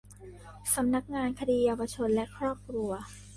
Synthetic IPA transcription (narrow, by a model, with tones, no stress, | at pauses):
sa˩˦mna˦˥k̚ŋaː˧nkʰa˧diː˧jaː˧wa˧t͡ɕʰo˧nlɛ˦˥ʔkʰɾɔː˥˩p̚kʰɾu˧ɐ